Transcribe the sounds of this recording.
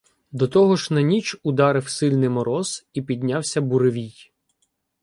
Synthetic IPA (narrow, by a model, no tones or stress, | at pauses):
d̪ɔt̪ɔɦɔʒnɐnʲit͡ʃʊd̪ɑɾɪwsɪlʲnɪjmɔɾɔzipʲid̪̚ʲnʲawsʲɐbuɾeʋʲij